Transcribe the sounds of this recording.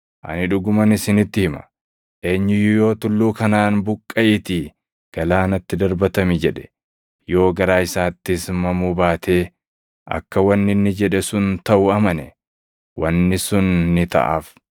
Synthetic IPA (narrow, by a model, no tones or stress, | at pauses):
ʔɐ̰nɪᶑʊɡʊmɐnɪsɪnɪt̪ːɪhɪmɐ̥̰ | ʔe̞ːɲːɪjʊjo̞ːt̪ʊlːuːkɐnaːnbʊkʼːɐʔɪt̪ɪ | ɡ̥ɐlaːnɐt̪ːɪd̪ɐɾbɐt̪ɐmɪd͡ʒɛᶑɛ̥ | jo̞ːɡɐɾaːɪsaːt̪ːɪsmɐmuːbaːt̪ʰe̞ː | ʔɐ̰kːɐwɐnːɪnːɪd͡ʒɛᶑɛsʊnt̪ɐʔʊɐmɐnɛ | wɐnːɪsʊnːɪt̪ɐ̰ʔa̰ːf